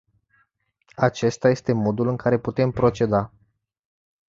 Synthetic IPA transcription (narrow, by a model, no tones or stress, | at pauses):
at͡ʃe̞st̪aje̞st̪e̞mo̞d̪ulɨŋkaɾe̞put̪e̞mpɾo̞t͡ʃe̞d̪a